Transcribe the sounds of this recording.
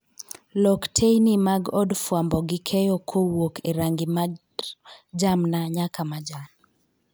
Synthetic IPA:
lɔktʰejnimaɡɔdfwambɔɡɪkʰɛjɔkʰowokeɾaŋɡɪma | d͡ʒamnaɲakamad͡ʒan

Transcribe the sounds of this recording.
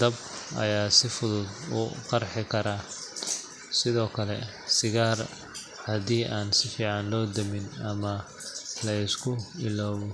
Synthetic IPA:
d̪̥ɐbʔɐ̰jaːsɪfʊðʊd̪ʊ̰ːqɑrħɪkʰɐɾaː | sɪðɔːkʰɐlɛ̰ | sɪɣaːr | hɐðiːʔaːnsɪfiːʕɑnlɔːd̪ɐmɪnɐmɐ | lɐɪskʰʊɪlɔːwɔ

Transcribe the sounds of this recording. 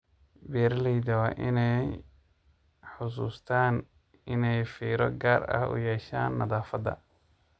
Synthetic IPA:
biːɾliːd̪ɐwɑʔɪnɛj | ħʊs̬ṵːst̪ʰaːn | ɪnɛjfiːɾɔ̰ɡaːrɐ̰hʊ̰jɛːʃa̰ːnːɐðaːfɐd̪ɐ̰

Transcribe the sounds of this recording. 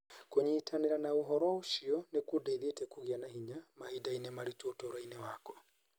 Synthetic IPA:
koɲiːtʰaneɾanaoɦɔɾɔoʃiɔnekudaiðetɛkuɣianaɦiɲamahidainemaɾitotoɾainewakɔ̥

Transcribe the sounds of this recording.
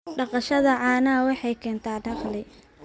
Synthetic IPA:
ɖɑqɑʃɐðɐʕɑːnɐwɑħɑjkʰɛːnt̪ʰaːɖɑqlɪ

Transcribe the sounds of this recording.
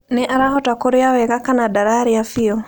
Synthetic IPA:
nɪʔaɾahɔtakoɾeawɛɣakanadaɾaɾiafiɔ

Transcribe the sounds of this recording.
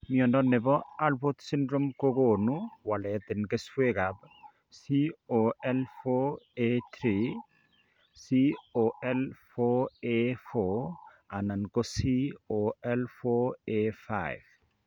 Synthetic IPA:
miɔndɔnːɪbɔalpot̪sindɾomkokonuwalɛt̪ɪnɡeswekab | sioɛlfoet̪ɾi | sioɛlfoefo | anankosioɛlfoefa̰jv

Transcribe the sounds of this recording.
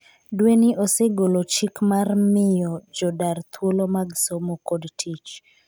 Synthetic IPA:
dwenɪʔoseɡolot͡ʃikmarmɪjɔd͡ʒɔdart̪wolomaɡsomokodtʰit͡ʃ

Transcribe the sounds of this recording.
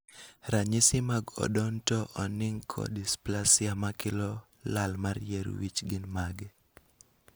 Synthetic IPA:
ɾaɲɪsɪmaɡɔ̰dɔntɔʔɔnɪŋkʰɔ̰displasɪamakɪlɔ | lalmarjɛɾ̰wit͡ʃɡɪnmaɡɛ

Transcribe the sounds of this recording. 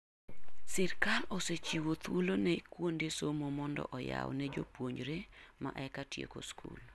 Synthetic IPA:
sɪrkaloset͡ʃiwot̪wolonɛkwondesomomɔndɔ̰ʔɔja̰wnɛd͡ʒo̰pwoɲd͡ʒɾema̰ʔɛkatjḛko̰skʰṵl

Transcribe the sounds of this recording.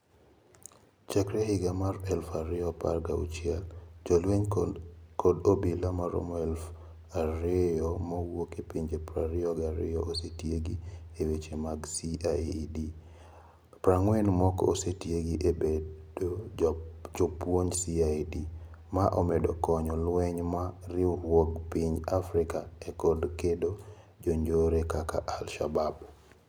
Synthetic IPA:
t͡ʃakɾɛhɪɡamarɛlfaɾɪɔpa̰rɡaṵt͡ʃjɛld͡ʒɔlweɲ | kɔdobilamaɾo̰mɔɛlf | aɾɪɔmawokepiɲd͡ʒepɾaɾɪɔɡaɾɪ̰jɔʔosetjeɡiewet͡ʃemaɡsiadi | pɾaŋwɛnmɔkɔ̰osetjeɡiʔebeo | d͡ʒopwoɲsiadimaʔɔmɛdɔkɔɲɔlwɛɲmaɾɪowɔɡpiɲd͡ʒafɾɪkaekɔdkedo | d͡ʒoɲd͡ʒoɾekaka̰ʔalʃabab

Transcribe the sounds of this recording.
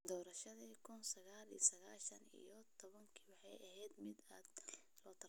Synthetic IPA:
d̪ɔːɾɐʃɐðiːkʰʊnsɐɣaːlḭjɔsɐɣaːʃɐnḭjɔt̪ʰɔβɐŋkʰi̥wɑħɑjɐɦɛːd̪mɪd̪aːd̪ | lɔːt̪ʰɐ

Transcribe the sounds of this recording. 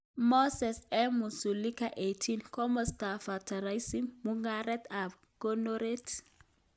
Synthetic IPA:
mɔsɛsɛmusulikaʔetʰinkɔməst̪afatʰaɾajsimːuŋɡaɾɛt̪ab | ɡ̥onoɾet

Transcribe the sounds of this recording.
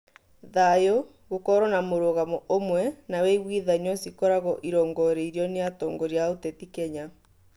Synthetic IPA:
ðajo | ɣokɔɾɔnamoɾoɣamɔʔomwɛnawɛiɣwiːðaɲɔsikɔɾaɣɔʔiɾɔːŋɡɔɾeiɾjɔneatɔːŋɡɔɾjaotɛtikɛɲa

